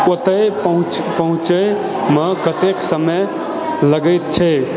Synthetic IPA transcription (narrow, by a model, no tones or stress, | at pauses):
ot̪əjəɦũpəɦũt͡ʃə | məkət̪eksəmə | ləɡəjt̪̚t͡ʃʰɛ